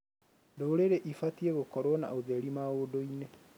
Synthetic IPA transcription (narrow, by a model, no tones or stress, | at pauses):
doɾeɾeʔifatieɣokɔɾwɔna̰oðeɾimaodoine